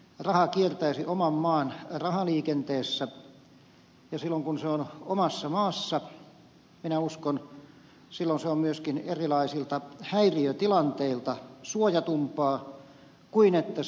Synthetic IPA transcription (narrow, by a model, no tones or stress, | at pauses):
rɑhɑkiert̪æisiʔomɑmːɑːnrɑhɑliːkent̪eːsːæ | jɑsilːoŋkunseonomɑsːɑmɑːsːɑ | minæuskon | silːonseommyøskinerilɑisilt̪ɑhæiriøt̪ilɑnt̪eilt̪ɑsuojɑt̪umpɑː | kuinet̪ːæ